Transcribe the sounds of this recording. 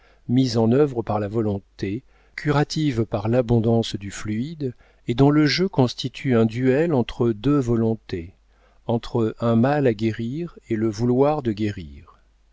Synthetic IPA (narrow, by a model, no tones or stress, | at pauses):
mizɑ̃nœvʁəpaʁlavɔlɔ̃t̪e | kʲʰyʁat̪ʰivpaʁlabɔ̃d̪ɑ̃sd̪yflyid̪ | ed̪ɔ̃ləʒøkɔ̃st̪it̪ʰyɛ̃d̪yɛlɑ̃t̪χəd̪øvɔlɔ̃t̪e | ɑ̃t̪χəʔɛ̃malaɡʲeʁiʁeləvulwaʁd̪əɡʲeʁiːʁ